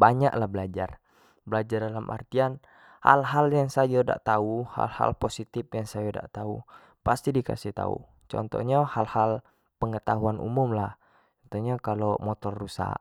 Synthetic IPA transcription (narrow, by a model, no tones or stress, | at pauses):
baɲa̰ʔlahbəlad͡ʒar | bəlad͡ʒardalamʔa̰rt̪ian | ha̰lɦaljaŋsajoda̰ʔt̪auha̰lha̰lposit̪ɪpjaŋsajada̰ʔt̪au | past̪idika̰siht̪a̰ṵ | t͡ʃɔ̰nt̪ɔ̰ɲahalhal | pəŋət̪aɦuanṵmʊmlah | t͡ʃɔnt̪ɔɲakalomɔt̪ɔrːusa̰ʔ